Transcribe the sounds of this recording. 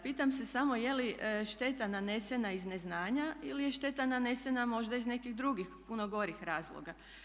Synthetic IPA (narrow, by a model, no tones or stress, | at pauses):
piːt̪amse̞samo̞je̞liʔʃt̪e̞t̪anane̞se̞naizneznaːɲailijeʃt̪e̞t̪anane̞se̞namo̞ʒd̪aizne̞kiɣd̪ɾuɡixpuno̞ɡo̞ɾixɾaːzlˠo̰ɡa